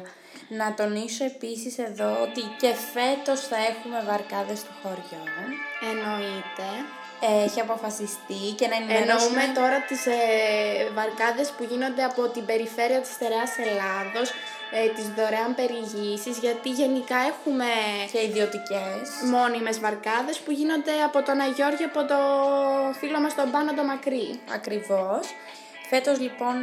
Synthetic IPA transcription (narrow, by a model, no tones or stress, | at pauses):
nɐt̪o̞niso̞e̞pisise̞ðo̞ot̪ice̞fe̞t̪o̞sθɐe̞xume̞vɐɾkɐðe̞st̪oxo̞ɾʝoneno̞it̪e̞ | çiɐpo̞fɐsist̪ice̞nɐnenoumet̪o̞ɾɐt̪iz | vɐɾkɐðe̞spuʝino̞nd̪eɐpo̞t̪imbe̞ɾife̞ɾiɐt̪i̥st̪e̞ɾeɐse̞lɐðo̞s | t̪izðo̞ɾeɐmpe̞ɾiʝisizʝɐt̪iʝe̞nikɐe̞xume̞ceiðio̞t̪icesmo̞nime̞zvɐɾkɐðe̞spuʝino̞nd̪e̞ɐpo̞t̪o̞nɐʝo̞ɾʝiɐpo̞t̪o̞ | filo̞mɐst̪o̞bɐnot̪o̞mɐkɾiɐ̰kɾivo̞s | fe̞t̪o̞zlipo̞n